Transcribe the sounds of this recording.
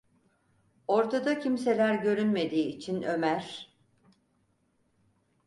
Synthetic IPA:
o̞ɾt̪ʰad̪acʰimse̞lʲæɾɟø̞ɾynme̞d̪iːt͡ʃʰinø̞mæɾ̥

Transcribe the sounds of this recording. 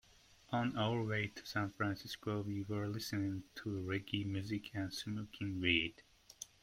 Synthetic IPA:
ʔə̃naʊə˞weɪtʰə̥sæ̃nfɹæ̃nsɪskowiwə˞lɪsɨnɪ̃ŋtʰəɹɛɡimjʉzɨkʰæ̃nsmokʰɪ̃ŋɹid̥

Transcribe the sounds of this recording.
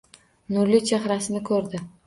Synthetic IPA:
nʊɾlit͡ʃʰahɾasɪnɪkʰɵɾd̪ɪ

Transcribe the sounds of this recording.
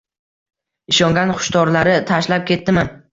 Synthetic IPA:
ɪʃɒŋɡʲanχʊ̥ʃt̪ɒɾlaɾɪt̪ʰaʃlap̚kʲʰe̞t̪ːɪman

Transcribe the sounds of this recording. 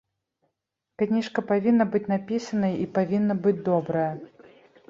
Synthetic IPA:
knʲiʂkɐpavʲinːɐbɨt͡sʲnapʲisɐnɐjipavʲinːɐbɨd͡zʲd̪ɔbɾɐjɐ

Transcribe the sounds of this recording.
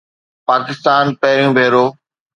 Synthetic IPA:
paːkɪst̪aːnpɛɦɪɾjũbʱeːɾoː

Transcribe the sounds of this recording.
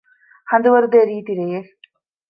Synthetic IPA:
hɐnd̪uʋɐɾd̪eːɾiːt̪iɾeje

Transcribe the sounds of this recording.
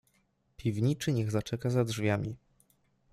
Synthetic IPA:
pʲivɲit͡ʂɘɲɛɣzat͡ʂɛkazadʐvʲjamʲi

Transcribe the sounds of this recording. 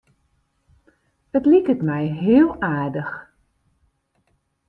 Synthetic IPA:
ətlikətmɛjɦɪːəlˠaːɹdəx

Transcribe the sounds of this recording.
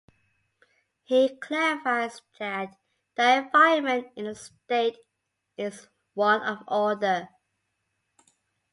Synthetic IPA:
hikʰl̥ɛɹɪfaɪzðæt | ðiɨvaɪmə̃ntɪ̃nəsteɪt | ɪz | wʌ̃nəvɔdə

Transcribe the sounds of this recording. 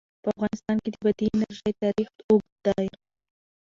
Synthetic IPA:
pəafɣɑnɪst̪ɑnked̪əbad̪iɪnaɾʒəjt̪ɑɾixoɡ̪d̪aj

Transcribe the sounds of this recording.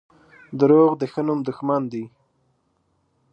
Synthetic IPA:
d̪əɾoɣd̪əxənumd̪ʊxmand̪i

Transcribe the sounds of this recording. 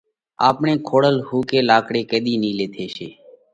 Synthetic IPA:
a̰ːpɳẽːkʰoːɽəlhuːkeːlaːkɽeːked̪iːniːleːt̪ʰeːʃeː

